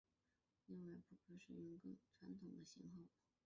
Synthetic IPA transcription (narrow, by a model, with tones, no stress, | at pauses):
li˥˧ŋwa˥˧ɪpu˥˩kʰɤ˧˥ʂɻ̩˥˩ɥʊ˧˥nkɤ˥˩ʈ͡ʂʰwa˧˥nt̪ʰʊ˨˩ŋd̪ə˦ɕi˧˥ŋxo˥˩ʊ